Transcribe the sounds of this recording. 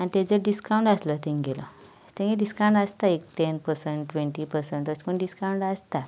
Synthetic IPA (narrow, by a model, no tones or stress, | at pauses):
aɽ̃it̪ed͡zəɖiskawũɳʈəslət̪ẽŋɡelə̰ | t̪ẽŋiɖiskaw̃ɳʈəst̪aek̚ʈ̪enpəɾsəɳʈʈʋeɳʈiːpəɾsəɳʈəskəɳɖiskauɳʈast̪a